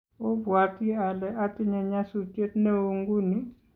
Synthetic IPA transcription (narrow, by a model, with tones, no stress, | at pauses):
o˦bwa˨ti˦a˨lɛ˦ʔa˦ti˦ɲɛ˨ɲa˦su˦t͡ʃwe˦tnɛ˦wo˦ŋɡu˦ni˦